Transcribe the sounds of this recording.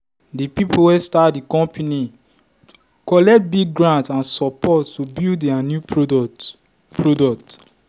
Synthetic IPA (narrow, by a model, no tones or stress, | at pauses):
dipipuwɛstatdikɔ̃mpʰini | kɔlɛk̚t̚biɡɡɹãntãnsɔpɔtːubilddɛanju | pɹodɔk̚t